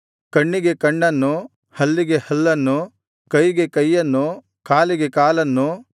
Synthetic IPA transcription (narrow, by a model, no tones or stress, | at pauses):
kɐɳːiɡe̞kɐɳːɐnːu | hɐlːiɡe̞hɐlːɐnːu | kɐjɡe̞kɐjːɐnːu | kaːliɡe̞kaːlɐnːu